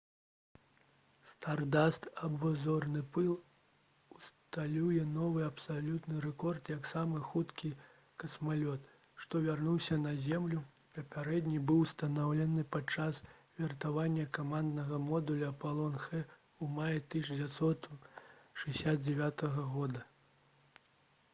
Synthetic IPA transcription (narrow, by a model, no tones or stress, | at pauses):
st̪ard̪ast̪ɐbvɔzɔrnɨpɨlˠ | ust̪alʲujɛnɔvɨɐpsalʲut̪nɨɾɛkɔrt̪jɐksamɨxut̪kʲi | kɐsmalʲɔt̪ | ʂt̪ɔvʲarnuwsʲɐnɐzʲɛmlʲu | pɐpʲaɾɛd̪ʲnʲibɨwst̪ɐnawlʲɛnɨpat͡ʂasvʲɛrt̪avanʲːɐkamand̪nɐɣɐmɔd̪ulʲɐɐpalˠɔnxɛ | umajɐt̪ɨd͡zʲvʲat̪sɔt̪ | ʂɨjʲsʲad̪̚d͡zʲɛvʲat̪ɐɣɐɣɔd̪ɐ